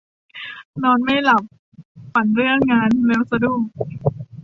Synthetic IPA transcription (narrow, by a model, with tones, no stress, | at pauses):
nɔː˧nma˥˩jla˨˩p̚ | fa˨˩nɾɯ˥˩əŋːaː˧nleː˧˥wsa˧duː˥˩k̚